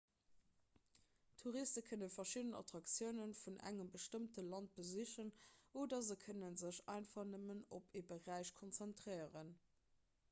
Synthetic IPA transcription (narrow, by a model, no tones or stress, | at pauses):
tʰuʁistəkʰənənfɐʃidənɑ̰tʁɑksjəʊnənfunʔæ̰ŋəmbəʃtəmtəlɑnt̚b̥əziɕənʔoːdɐzəkʰənənzəɕɑ̰ɪnfɐχnəmənopʰeːbəʁæɪʃkʰont͡sæntʁɜɪəʁən